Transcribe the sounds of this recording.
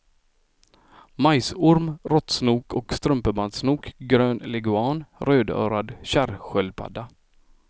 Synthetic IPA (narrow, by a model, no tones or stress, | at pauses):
majsʊɾmɾɔt̪snuːkɔkst̪ɾɵmpəband̪snuːkɡɾøːnlɛɡʉɑːnɾøːd̪œ̰ːɾad̪ɕæɾɧœlpʰa̰d̪ːa